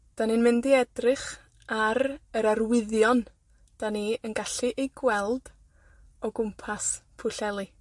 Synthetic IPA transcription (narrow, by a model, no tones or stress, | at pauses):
d̥anɨnmɪndiɛdrɪχ | aɾəɾarwɪðjɔn | d̥aniənɡaɬɨʔejɡwɛlˠd̥ | ɔɡʊmpʰaspʰʊɬɛlˠɨ